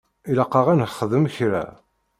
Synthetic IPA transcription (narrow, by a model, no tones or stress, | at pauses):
iləqːɑʁænχəðəmçɾæ̰